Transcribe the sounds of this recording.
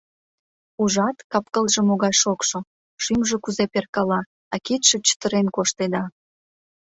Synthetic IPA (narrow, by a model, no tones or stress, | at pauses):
uʒɑt̪kɑpkəlʒə̆moɣɑjʃokʃo | ʃymʒekuzeperkɑlɑ | ɑkit̪ʃet͡ɕə̥t̪əɾenkoʃt̪ed̪ɑ